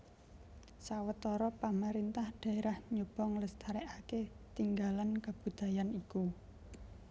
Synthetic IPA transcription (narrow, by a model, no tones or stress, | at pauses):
sawət̪ɔɾɔpamaɾint̪ahɖ̥a̤eɾahɲob̥ɔŋləst̪ʰaɾɛʔaket̪iŋɡalankab̥ṳd̪̥a̤janiku